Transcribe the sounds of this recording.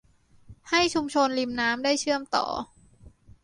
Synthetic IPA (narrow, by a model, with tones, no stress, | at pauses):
ha˥˩jt͡ɕʰu˧mt͡ɕʰo˧nli˧mnaː˦˥mdaː˥˩jt͡ɕʰɯ˥˩əmt̪ɔ̰ː˨˩